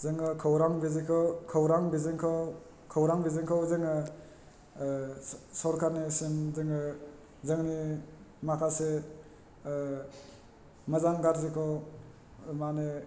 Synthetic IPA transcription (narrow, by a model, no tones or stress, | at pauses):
zɯŋɯkʰɔwɾaŋbizikʰɔwkʰɔwɾaŋbiziŋkʰɔw | kʰawɾaŋbizɯŋkʰawzɯŋɯ | sɔɾkʰanesinzɯŋɯ | zɯŋnimakʰase | mazaŋɡaɾzikʰow | mane